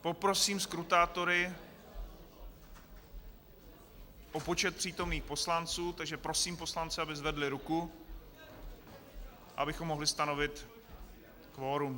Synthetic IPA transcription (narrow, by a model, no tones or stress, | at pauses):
po̞pɾo̞siːmskɾut̪aːt̪o̞ɾɪ | ʔopo̞t͡ʃɛt̪̚pr̥iːt̪o̞mniːxpo̞slant͡suːt̪aɡʒɛpɾosiːmpo̞slant͡sɛabɪzvɛdlɪɾuku | ʔʔa̰ʔabɪxomːoɦlɪst̪anovɪt̪ | kvo̞ːɾum